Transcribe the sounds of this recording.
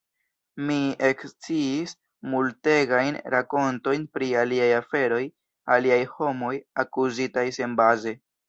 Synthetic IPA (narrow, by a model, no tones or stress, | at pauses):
mie̞kst͡siːs | multe̞ɡajnɾako̞nto̞jnpɾialiajafe̞ɾo̞j | aliajho̞mo̞jakuzitajse̞nbaze̞